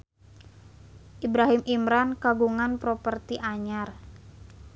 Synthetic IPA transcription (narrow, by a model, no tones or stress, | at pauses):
ʔibɾaɦimʔimɾankaɡuŋanpɾɔpərt̪iʔaɲar